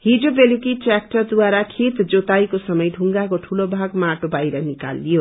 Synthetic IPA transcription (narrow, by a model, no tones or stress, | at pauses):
hid͡zobelukiʈak̚ʈʌrd̪waɾakʰet̪d͡zot̪ajkosʌmʌjɖʱuŋɡakoʈʰulobʱaɡmaʈobajɾʌnika̰lːijo